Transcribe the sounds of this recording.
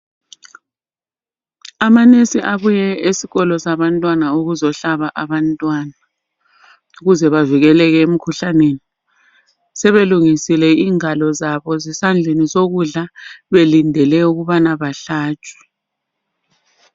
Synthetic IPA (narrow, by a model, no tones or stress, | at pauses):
amanesiʔaβujɛesiɣɔlɔsaβantʼwanauɣuzɔɬaβaʔaβantʼwana | uɣuzɛβaviɣɛlɛɣɛem̩kʰuɬaneni | sɛβeluŋisilɛiːŋalɔzaβɔzisand͡ɮʱenizoɣuɮaβelindʱɛlɛuɣuβanaβaɬaːt͡ʃʼwɛ̥